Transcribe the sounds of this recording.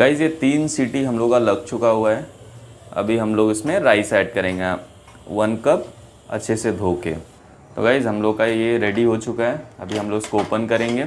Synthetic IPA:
ɡaːɪzjet̪iːnsiːʈiɦɐmloːɡkalɐɡ̚t͡ʃʊkaɦuaɦɛː | ɐ̰bʱiɦɐmloːɡɪsmẽɾaːɪsɛːʈ̚kɐɾẽːŋɡa | ʋɐnkɐp̚ | ɐ̰tːʃʰesed̪ʱoːkḛː | t̪o̰ːɡaːɪzɦɐmloːɡkajeɾeːɖiɦot͡ʃʊkaɦɛːɐ̰bʱiɦɐ̃mloːɡɪskooːpənkɐɾẽːŋɡeː

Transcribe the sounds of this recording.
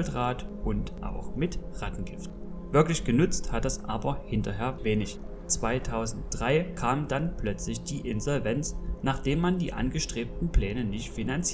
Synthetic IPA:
ltʁaːtʔʊntʔa̰ʊxmɪtʁ̥atn̩ɡ̥ɪftv̥ɪɐklɪçɡ̥ənʏt͡sthatd̥asʔaːbɐhɪntɐɦeːɐveːnɪç | t͡sv̥aɪtʰaʊzn̩t̚d̥ʁaɪkʰaːmdanplœt͡slɪçd̥iːʔɪnzɔlvɛnt͡snaːχd̥eːmːandḭːʔa̰nɡəʃtʁ̥eːp̚tn̩pl̥ɛːnənɪçtfinant͡siː

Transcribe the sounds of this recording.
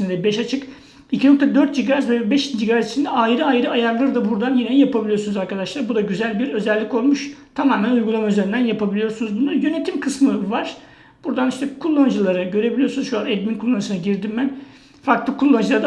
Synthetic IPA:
ind̪ɛbɛʃat͡ʃʰɯk | icʰino̞k̚t̪ʰad̪øɾt̪̚d͡ʒiɡaːɾɛsvɛbɛʃd͡ʒiɡaːɾɛt̪i̥t͡ʃʰind̪ɛajɾɯajɾɯajaɾlˠɯɾd̪abuɾd̪anjinejapʰabilʲijo̞sunuzaɾkad̪aʃlˠaɾbud̪aɟyzælʲbiɾø̞zɛlʲːico̞lˠmuʃt̪ʰamaːmænujɡulˠamayzeɾind̪ænjapʰabilʲijo̞ɾsunuzbunˠaɾjø̞ne̞t̪ʰimkʰɯsmɯvaɾ̥ | b̥uɾd̪aniʃt̪ʰɛkʰulˠːand͡ʒɯlˠaɾɯɟø̞ɾe̞bilʲijo̞sunuzʃuanɛd̪minkʰulˠːanɯʃɯnaɟiɾd̪imbæn | faɾklˠɯkʰulˠːand͡ʒɯlˠaɾd̪

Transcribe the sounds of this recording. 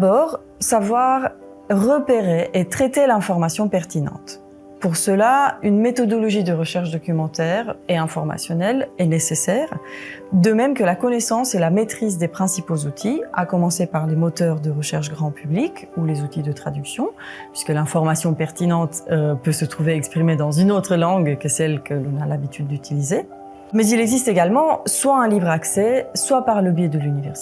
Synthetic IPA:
d̪abɔːʁ | savwaʁː | əpeʁeʔet̪χɛt̪elɛ̃fɔʁmasjɔ̃pɛʁt̪inɑ̰̃t̪ | puʁsəlaynmet̪ɔd̪ɔlɔʒid̪əʁəʃɛʁʃd̪ɔkʲymɑ̃t̪ɛːʁeɛ̃fɔʁma̰sjɔnɛlɛnesesɛːʁd̪əmɛmkəlakɔnesɑ̃selamet̪χizd̪epχɛ̃sipozut̪ʰia̰kɔmɑ̃sepaʁlemɔt̪œʁd̪əʁəʃɛʁʃɡʁɑ̃pʰyblikulezut̪id̪ət̪χad̪yksjɔ̃pɥiskəlɛ̃fɔʁmasjɔ̃pɛʁt̪inɑ̃t̪øpøsət̪χuveɛkspχimed̪ɑ̃zynot̪χəlɑ̃ɡkəsɛlkəlɔ̃nalabit̪ʰyd̪̚ːyt̪ʰilize | mɛzilɛɡzist̪eɡalmɑ̃swaɛ̃livʁaksɛswapaʁləbjed̪əlynivɛʁs

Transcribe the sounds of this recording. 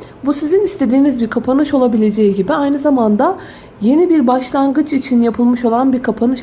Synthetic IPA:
busizinist̪ʰe̞d̪iːnizbiɾkʰapʰanɯʃo̞lˠabilʲe̞d͡ʒejiɟibiajnɯzamand̪a | je̞nibiɾbaʃlˠaŋɡɯt͡ʃit͡ʃʰinjapʰɯlˠmɯʃo̞lˠanbiɾkʰapʰanɯʃ

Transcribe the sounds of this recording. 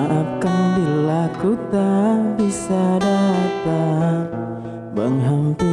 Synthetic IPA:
akanbilakut̪abisadat̪a | bəŋɦaŋt̪i

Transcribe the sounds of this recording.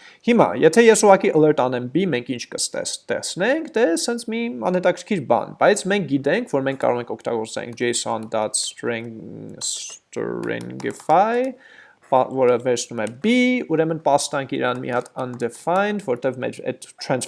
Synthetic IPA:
himɑ̰jɛt̪ʰɛjɛsuʁɑkiʔələɾt̪ɑnɛmbimɛŋkʰint͡ʃʰkəst̪ɛ̰st̪ɛ̰χt͡snɛŋkʰt̪ɛsɛnt͡sʰmiɑ̰nhɛt̪ɑkʰəɾkʰiɾbɑ̰nbɑjt͡sʰmɛŋk̚ʰɡit̪̬ɛŋkʰvɔɾmɛŋkʰːɑ̰ɾɔʁɛŋkʰɔkʰt̪ɑ̰ɡɔɾt͡sɛ̰ŋkʰd͡ʒɛjsɑnd̪ɑt̪s | st̪ɾɛ̰ŋɡɛfɑj | vɔɾəvɛɾsnumɛbiuɾɛmənpɑst̪ɑŋkʰḭɾɑnmḭhɑt̪ənd̪ɛfɑjnd̪vɔɾɔt̪ɛvmɛ̰ɾɛ̰d̪t̪ʰɾɛns

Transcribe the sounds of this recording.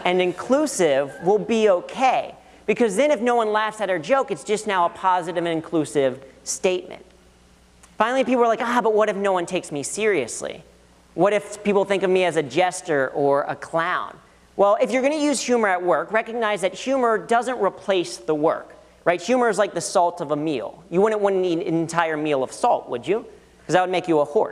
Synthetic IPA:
ɨ̃nɨ̃nkʰl̥usɪvwɪlˠbioʊkʰeɪ | b̥ɨkʰʌzðɨ̃nɨfnoʊwʌ̃nlæfsɨɾ̚ə˞d͡ʒoʊkɨtsd̥ʒ̥ʌstnaʊəpʰɑzɨɾɨvɨ̃nɨ̃nkʰl̥ʉsɪv̥steɪt̚mɨ̰̃nt̚ | fãɪ̃nl̩ˠipipl̩ˠə˞laɪkabʌt̚wʌɾɨfnoʊwʌ̃ntʰeɪksmisɪɹiɨ̰slḭ | wʌɾɨfpipl̩ˠθɪ̃ŋkʌvmiɨzɨd͡ʒɛstə˞ʔə˞ʔə̰kʰl̥ãʊ̃n | wɛlˠɨfjə˞ɡʌnɨjʉz̥hjʉmə˞ɨt̚wɜ˞kɹɛkɨɡ̚naɪzðɨt̚hjʉmə˞dʌzɨ̃nʔɹipʰl̥eɪsðəwɜ̰˞k | ɹaɪt̚hjʉmə˞ɨzlaɪk̚ðɨsɔlˠtʌvəmilˠjɨwʊdⁿn̩ʔwʌn̩ðiɨ̰̃ntʰaɪə˞milˠʌv̥sɔlˠt̚wə̰d͡ʒʉ | kʰʌzaɪwəd̚meɪkjɨəhɔ̰ɹs

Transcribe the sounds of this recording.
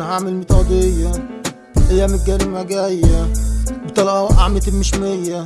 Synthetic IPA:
haʕmelmet̪ˤɑd̪ejːæ | hejːæmet̪̚ɡæɾemæɡæjːæbet̪ˤɑlʔæʔaʕmelt̪emeʃmejːæ

